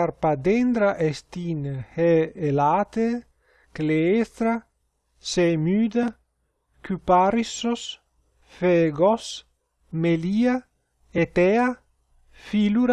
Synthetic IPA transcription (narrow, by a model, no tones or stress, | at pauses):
aɾpad̪end̪ɾaʔest̪inheːlat̪e | kleest̪ɾa | semyːd̪a | kypaɾisos | feɡos | melia | et̪ea | filuɾ